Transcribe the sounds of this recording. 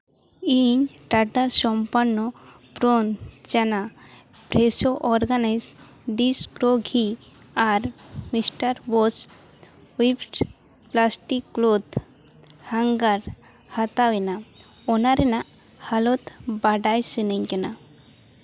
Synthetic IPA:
iɲʈaʈasɔmpanːɔ | pɾond͡ʒana | pɾesoʔɔɾɡanajz | ɖiskɾoɡʱi | aɾmisʈaɾbɔs | wipʈ | plasʈikːlod̪ | haŋɡaɾ | hat̪awina | ɔnaɾena | halɔt̪baɖajsineɲkena

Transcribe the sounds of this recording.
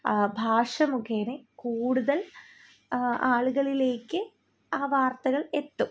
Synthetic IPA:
bʱaːʂɐmukʰeːnekuːɽuðɐl | aːɭuɣɐɭile̞ːkːɨ | aːʋaːrt̪ɐɣɐɭe̞t̪ːu

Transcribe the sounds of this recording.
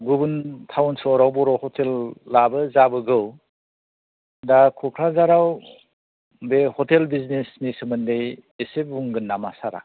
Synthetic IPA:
ɡubuntʰawnsɔɾawbɔɾɔhɔtʰelːabɯzabɯɡɯw | dakʰɔkʰɾazaɾaw | behɔtelbiznesnisɯmɯndejesebuŋɡɯnːamasaɾa̰

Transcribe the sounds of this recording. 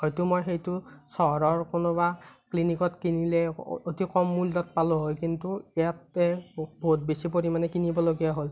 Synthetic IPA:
hojtʊmojxejtʊsɔɔɹɔɹkonʊbaklinikɔtkinilɛ̰otikɔmːuldɔt̚palʊɦojkintuɛjatɛbʱot̚besipoɹimanɛkinibɔloɡijaɦol

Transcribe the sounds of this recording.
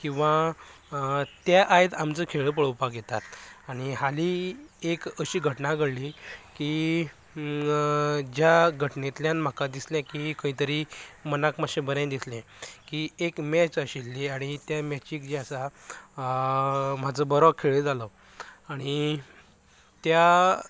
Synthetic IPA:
kĩw̃ʋa | t̪jaʔajt̪amt͡səkʰeɭəp̬əɭəwpakɡjet̪at̪aɽ̃iɦaliekəɕiːɡʱəʈnaɡəɽlikiː | d͡ʑjaɡʱəʈnet̪ljãnm̤akad̪isljãkikəĩt̪əɾiːmənakmaɕẽbəɾãd̪isljɛ̃ | kiekmɛt͡səɕilːiaɽ̃it̪jamɛt͡ɕiːkd͡ʑiasa | m̤ad͡zəbɔɾɔkʰeɭed͡zalɔ | aɽ̃i | t̪ja

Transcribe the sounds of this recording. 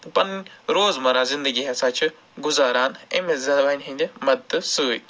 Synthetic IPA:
pɐnɾoːzmɐɾaːzind̪əɡiɦɛsaːt͡ʃʰi | ɡʊzaːɾaːnemezɐʋaːnʲɦĩnd̪emɐd̪ɨsuːj

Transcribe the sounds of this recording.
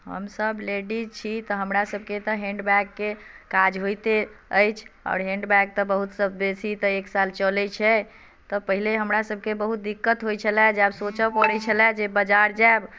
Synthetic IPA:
ɦə̰msəbleɖit͡ʃʰit̪əɦəmɾasəb̚ʱket̪əɦẽɳɖbɛkːekad͡ʒɦojt̪eəjt͡ʃʰɔ̰ɾɦẽɳɖbɛk̚t̪əbəɦut̪səbesit̪əeksalt͡ʃəlɛt͡ʃʰɛ | t̪ɔpəɦileɦəmɾasəb̚ʱkebəɦut̪̚d̪ikːət̪ɦojt͡ʃʰəlɛd͡ʒabsot͡ʃəpəɽɛt͡ʃʰəlɛd͡ʒebəd͡ʒaɾd͡ʒaeb

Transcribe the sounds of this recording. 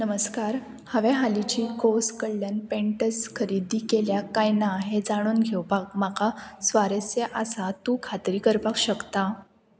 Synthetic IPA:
nəməskaɾ | həʋeɦalit͡ɕiːkoskəɽljanpeɳʈəskʰəɾiːd̪iːkeljakajnaɦed͡zaɽ̃uːnɡʱewpakmakasʋaɾəsjeʔasat̪ũkʰat̪ɾiːkəɾpakɕəkt̪a

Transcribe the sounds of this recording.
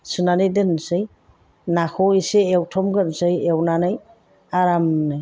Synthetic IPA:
sɯnanɯjdɯnsɯj | nakʰɔiseewtʰɔmɡɯnsɯjewnanɯj | aɾamnɯj

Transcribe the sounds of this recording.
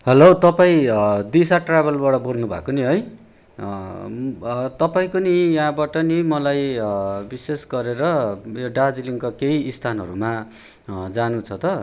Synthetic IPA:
hʌlot̪ʌpaĩd̪isaʈrabʌlbʌɽʌbornubʱa̰koniɦʌj | t̪ʌpaĩkonijaɦãbaʈʌnimʌlajbisesɡʌɾeɾʌjoɖad͡zliŋkakeiːst̪ʰanɦʌ̰ɾuma | d͡zanut͡sʰʌt̪ʌ

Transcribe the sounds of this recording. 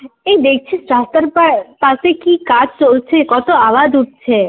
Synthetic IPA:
ed̪ek̚ʰt͡ɕʰesɾast̪aɾpapasekikad͡ʑt͡ɕolt͡ɕʰekɔt̪oaʋad͡ʒuʈ̚t͡ɕʰe

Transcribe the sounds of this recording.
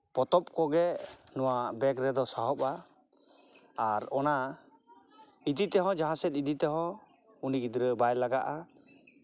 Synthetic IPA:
pɔt̪ɔp̚kɔɡɛnɔwabɛkɾɛd̪ɔsaɦɔpa | aɾɔna | id̪it̪ɛɦɔ̃d͡ʒaɦãsɛt̪̚id̪it̪ɛɦɔ̃ | uniɡid̪ɾəbajlaɡaʔa

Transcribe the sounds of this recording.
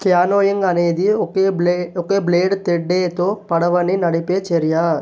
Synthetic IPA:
kɪjaːnoːjɪŋɡɐneːd̪iokːeːokːeːbleːɖt̪ɛɖːeːt̪oːpɐɽɐʋɐɳinɐɽɪpːeːt͡ʃɛɾɪjaː

